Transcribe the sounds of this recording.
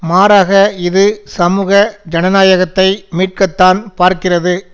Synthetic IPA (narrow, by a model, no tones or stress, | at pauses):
maːɾaːɣɐɪðɯsɐmuːɣɐd͡ʒɐnɐnaːjɐɣɐt̪ːɐɪmiːʈ̚kɐt̪ːaːnpaːɾkɪrɐðɯ